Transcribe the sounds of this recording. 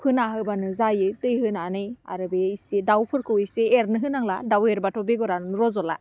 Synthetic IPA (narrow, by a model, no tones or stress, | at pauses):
pʰɯnaɦɯbanɯzajɯtɯjɦɯnanɯja̰ɾɯbeisedawpʰɯɾkʰɯwiseeɾnɯɦɯnaŋladaweɾbatʰɔbeɡɔɾannɾɔzɔla̰